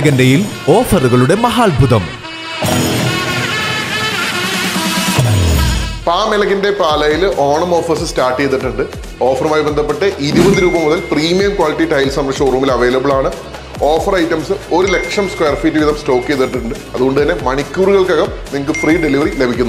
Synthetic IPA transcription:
ɣɐndejil | o̞ːfɐruɣɐɭuɽe̞mɐɦaːɭbʱuðɐm | paːmelɐɣɐnde̞paːlɐjilʔoːɳɐmoːfɐsɨstaːʈːejt̪ːiʈːuɳɖɨ | o̞ːfɐrɐmaːjbend̪ʱɐpːeʈːɐʔiɾibɐðɨɾuːbɐmːuðɐlpriːmijɐmkwaːliʈːiʈɐjlsɐmɾɐkʂɐruːmilɐʋe̞ːlɐbɐɭaːɳɨ | o̞ːfɐrɐjtːɐmsɨo̞ɾule̞kʂɐmskweːrfiːdːiʋiðɐmsto̞ːkːejt̪ːiʈːuɳɖɨ | ɐðuɣo̞ɳɖɨt̪ɐnːe̞mɐɳikʲːuːrɨɣɐɭkɐɣɐmniŋːɐɭkːɨfriːɖeliʋɐrile̞bʱikʲːunː

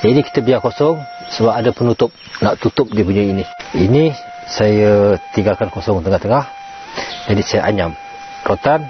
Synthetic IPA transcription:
d͡ʒadiki̥t̪əbiarkosɔŋ | səbap̚adapənut̪ʊp̚naʔt̪ut̪ʊp̚dipuɲainiini | sajat̪iŋɡalkankosɔŋt̪əŋaht̪əŋah | d͡ʒadisajaʔaɲam | rot̪an

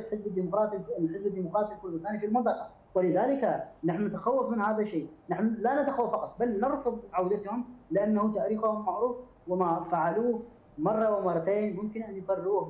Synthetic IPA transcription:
ħɪzbad̪imʊqɾɑːt̪iħɪzbad̪ːiːmʊqɾɑːt̪ˤilkʊɾd̪ɪst̪aːnifilmɑnt̪ˤɑqɑ | wɪlɪðaːlɪkanaħnunɪt̪axawːafmɪnhaːðaʃːeːnaħnulanat̪axawːafːɑqɑt̪ˤbalnɑɾˤfʊðˤʕawd̪at̪hʊmlɪʔanːahʊt̪aʔɾiːxahʊmːaʕɾuːf | wɪmafaʕaluː | mɑrˤːɑwɪmɑrˤːɑt̪eːnmʊmkɪnʔanjkɑrːuːh

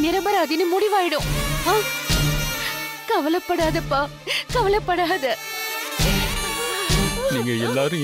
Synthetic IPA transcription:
nɪɾɐbɐɾaːðɪnɯmʊɽɪʋaːjɪɽɯ̃aː | kɐʋɐlɐpːɐɽaːðɐpːaː | kɐʋɐlɐpːɐɽaːðɐ | niːŋɡɐɛlːaːɾɯ̃

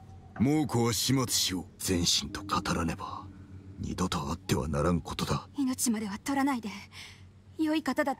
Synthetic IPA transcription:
moːkoaɕimat͡sɨ̥ɕioz̥ẽ̞ɰ̃ɕĩnt̪o̞̥kʰat̪aɾane̞baɲ̟ʔḭd̪o̞t̪oat̪ːe̞βa̰naɾãŋɯ̟kot̪o̞d̪aino̞t͡ɕimad̪e̞βat̪o̞ɾanaid̪e̞ | joikat̪ad̪a

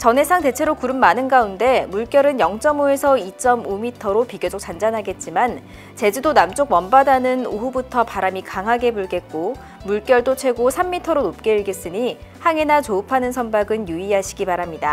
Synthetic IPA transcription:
t͡ɕʌnɦe̞sʰaŋte̞t͡ɕʰe̞ɾokuɾɯmːanɯnɡaunde̞muɭk͈jʌɾɯnjʌŋt͡ɕ͈ʌmoe̞sʰʌit͡ɕ͈ʌmumitʰʌɾopiɡjod͡ʑok̚t͡ɕ͈and͡ʑanɦaɡe̞t̚t͡ɕ͈iman | t͡ɕe̞d͡ʑudonamt͡ɕ͈ok̚mʌnbadanɯnoɦubutʰʌpaɾamikaŋɦaɡe̞buɭɡe̞t̚k͈o | muɭk͈jʌɭdot͡ɕʰwe̞ɡosʰamːitʰʌɾonop̚k͈e̞iɭɡe̞s͈ɯɲihaŋe̞nat͡ɕoɯpʰanɯnsʰʌnbaɡɯnjuiɦaɕʰiɡipaɾamɲida

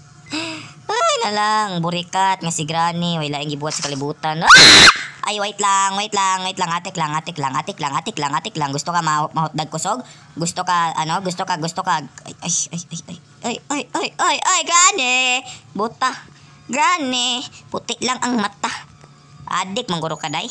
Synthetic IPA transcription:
ʔajnɐlaŋbʊɾɪkat̪̚ŋasɪɡɾaːnɛwajlaːʔɪŋɡɪbuːhat̪sɐkɐlɪbuːt̪anaʔa̰jwajɪt̪laŋwajɪt̪laŋwajt̪laŋʔat̪ɪklaŋʔat̪ɪklaŋʔat̪ɪklaŋʔat̪ɪklaŋʔat̪ɪklaŋɡʊst̪okamamɐhʊt̪̚d̪aɡ̚kʊsoɡ̚ | ɡʊst̪okaʔɐnoɡʊst̪okaɡʊst̪okao̰jojojojoj | ʔojojoʔojʔajɡaːnebut̪ah | ɡaːnɪpʊt̪ɪʔlaŋʔaŋmat̪ah | ʔa̰ːd̪ɪk̚maŋɡʊɾokad̪aj

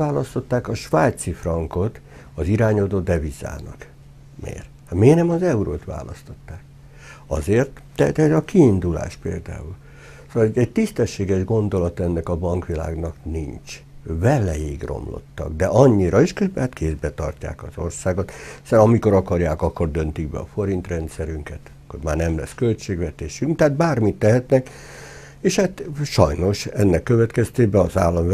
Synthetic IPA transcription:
aːlɒst̪o̞t̪ːaːkɒʃʋaːjt̪sifrɒŋko̞t̪ɒziɾaːɲod̪oːd̪ɛviza̰ːnɒ̰k | mḛːr | hmeːnɛmɒzɛuɾo̰ːt̪ʋa̰ːlɒ̰st̪o̞t̪ːaːk | ɒ̰zeːrt̪ː | ɛt̪ɛzɒkiːnd̪ula̰ːʃpḛːld̪a̰ːul | soɛɟ̚t̪ist̪ɛʃːeːɡɛʒɡo̞nd̪o̞lɒt̪ɛnːɛkɒbɒŋkʋila̰ːɡnɒknint͡ʃ | vɛlɛjiɡro̞̰mlo̞̰t̪ːɒ̰ɡ̚d̪ɛʔɒɲːiɾɒiʃkøbhaːt̪kʰeːzbɛt̪ɒ̰rca̰ːkɒzo̞rsaːɡo̞t̪sɛɾɒmiko̞ɾɒkɒrjaːkɒkːo̞rd̪ø̞nt̪iɡbɛ̰ɒ̰fo̞ɾint̪rɛnt̪sɛɾyŋkɛt̪ | kːoɾmaːrnɛmlɛ̰skølt͡ʃeːɡʋɛt̪eːʃyŋkt̪ɛat̪̚baːrmit̪ːɛɦɛt̪nɛk | eːʃhaːt̪ʃɒjno̞ʃɛnːɛkːøvɛt̪kɛst̪eːbɛɒzaːlːɒm

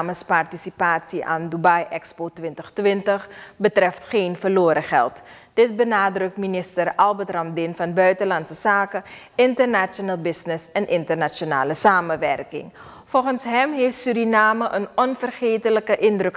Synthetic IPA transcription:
məspartisipaːtsiʔa̰ːndubajʔɛkspoːtʋɪntəχtʋɪntəχbətrɛftχeːnfərloːɾəχɛ̰lˠt | d̥ɪt̚bənaːdrɵk̚tminɪstərɑlˠbətrɑmdɪnfɑnbœɥtəlɑnsəsaːkə | ɪntərnat͡ʃonalˠbɪsnɪsɛnʔɪntərnat͡ʃona̰ːləsaːməʋɛrkɪ̰ŋ | fɔlˠχənsɦɛmɦeːftsyɾinaːməʔənɔnfərχeːtələkəʔɪndrøk

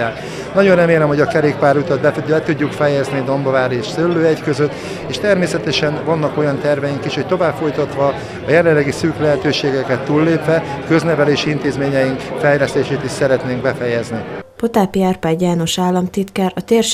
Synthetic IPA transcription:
aːt̪ | nɒɟo̞nrɛmeːlɛmhoɟɒkɛɾeːk̚paːɾut̪ɒt̪bɛbɛt̪uɟːukfɛjɛznid̪o̞mbɒvaːɾeːʃsølːøːɛckøzøt̪ː | eːʃt̪ɛrmeːsɛt̪ɛʃɛnvɒnːɒko̞jɒnt̪ɛrvɛjiŋkiʃho̞c̚t̪ovaːbfo̞jt̪ɒt̪ʋɒː | jɛlɛlːɛɡisyːklɛɦɛt̪øːʃeːɡɛkɛt̪ːuːlːeːpʋɛkø̞znɛvɛleːʃiint̪eːzmeːɲɛjiŋkfɛjlɛst̪eːʃeːt̪iʃsɛɾɛt̪neːŋɡ̚bɛfɛjɛznipot̪aːpiaːrpaːɟjaːno̞ʃaːlːɒmt̪it̪kɛːɾɒt̪eːrʃ

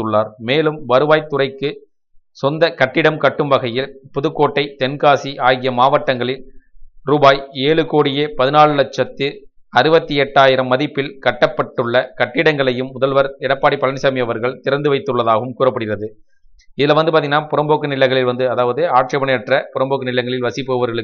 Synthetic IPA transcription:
ɯɭːaːɾmeːlɯmʋɐɾɯʋaːjt̪ːʊrɐɪkːɯ | sɔnd̪ɐkɐʈːɪɽɐmkɐʈːɯmbɐɣɐjɪlpʊðɯkːoːʈːɐɪt̪ɛnkaːsiʔaːɣɪjɐmaːʋɐʈːɐŋɡɐɭɪlɾuːbaːjeːɭɯkoːɽɪjeːpɐðɪnaːɭɯlɐɛt͡ʃːɐt̪ːɯ | ɐɾɯbɐt̪ːiɛʈːaːjɪɾɐmːɐðɪpːɪlkɐʈːɐpːɐʈːɯɭːɐkɐʈːɪɽɐŋɡɐɭɐjɯmːʊðɐlʋɐɾɛɽɐpːaːɽipːɐlɐnsɐmɪjɐʋɐɾɣɐɭt̪ɪɾɐnd̪ɯʋɐɪt̪ːɯɭːɐðaːɣɐɯmkuːɾrɐpːɐɽɪɣɪrɐðɯ | ɪðɪlɐʋɐnd̪ɯp̬aɾt̪ːɪŋnaːpʊɾɐmboːkːɯnɪlɐŋɣɐɭɪlʋɐnd̪ɯɐðaːʋɐðɯaːʈʂɐɐbɐnɐɛʈrɐpʊɾɐmboːkːɯnɪɭɐŋɡɐɭɪlʋɐsɪpːoːʋɐʋɐɾɣɐɭɯ

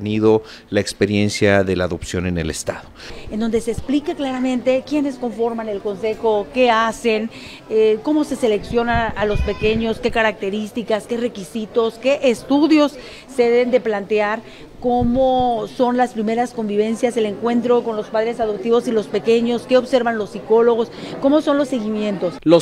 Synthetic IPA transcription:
niðo | laekspeɾjensjaðelaːðo̞psjo̞nene̞̰lḛst̪aðoend̪o̞nd̪e̞seːsplikaklaɾamẽ̞nt̪e̞kje̞ne̞sko̞ɱfo̞ɾmane̞lko̞nse̞xo̞ke̞ase̞n | eko̞mo̞se̞se̞le̞ksjo̞naalo̞spe̞ke̞ɲo̞ske̞kaɾak̚t̪eɾist̪ikaske̞re̞kisit̪o̞ske̞ʔest̪uðjo̞sː | eðeβend̪e̞plant̪eaɾ | ko̞moso̞nlaspɾime̞ɾasko̞mbiβe̞nsjase̞le̞ŋkwe̞nt̪ɾo̞ko̞nlo̞spaðɾe̞saðop̚t̪iβo̞silo̞spe̞ke̞ɲo̞ske̞oβse̞ɾβanlo̞sːiko̞lo̞ɣ̞o̞sko̞mo̞so̞nlo̞sːe̞ɣimje̞nt̪o̞slo

